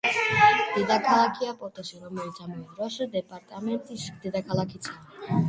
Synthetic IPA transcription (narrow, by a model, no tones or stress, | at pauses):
d̪̥ed̪akʰalakʰijapɔt̪oʃiɾomeld͡ʑamueɾɔʃd̪epaɾt̪ament̪iʃd̪ed̪akʰalakʰit͡sʰa